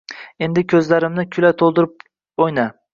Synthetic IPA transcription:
e̞nd̪ɪkʲʰɵzlaɾɪmnɪkʲʰʊlat̪ʰolˠd̪ɪɾɪp̚ | ojna

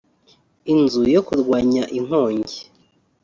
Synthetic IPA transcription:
inzujokuɾɡwaːɲaʔiŋ̥oːɲɟe

